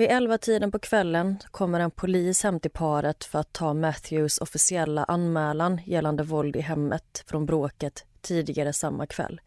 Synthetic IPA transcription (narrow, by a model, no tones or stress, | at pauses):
vɪʔɛlvat̪ʰiːd̪ənpɔkʰvɛlːənkʰɔmːəɾɛnpʰʊliːshɛmt̪ɪpʰɑːɾət̪fœɾat̪ʰːɑːmæt̪jɵsɔfɪsɪɛlːa̰ʔanmɛːlanjɛlːand̪əvɔld̪ɪɦɛmːət̪fɾɔnbɾoːkət̪ʰːiːd̪ɪɡaɾəsamːa̰kʰvɛ̰lː